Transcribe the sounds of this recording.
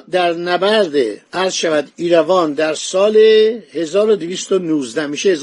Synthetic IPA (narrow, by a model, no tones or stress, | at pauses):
d̪æɾnæbæɾd̪eæɾz̥ʃævæd̪iːɾævɒːnd̪æɾsɒːlehe̞zɒːɾod̪iviːst̪onuːzd̪æmiʃeːz